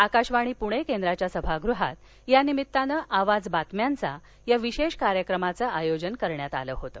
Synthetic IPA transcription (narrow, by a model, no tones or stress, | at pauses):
akaɕʋaɽ̃iːpuɽ̃ekend̪ɾat͡ɕjasəbʱaɡɾuɦat̪ | janimit̪ːanəʔaʋad͡zbat̪mjant͡sa | jaʋiɕeɕkaɾjəkɾəmat͡səʔajod͡ʑənkəɾɳjat̪a̰ləːɦot̪əː